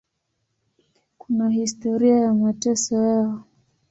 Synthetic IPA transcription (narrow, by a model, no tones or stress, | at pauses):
kunahistɔɾiajamwatɛsɔjaɔ